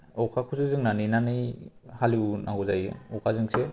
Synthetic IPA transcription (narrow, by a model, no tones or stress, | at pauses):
ɔwkʰakʰusuzɯŋnaninanɯjhaliwnʔa̰ɡuzajɔwkʰazɯŋse